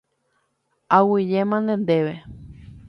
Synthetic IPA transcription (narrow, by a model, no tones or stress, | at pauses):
awijemãnd̪end̪eʋe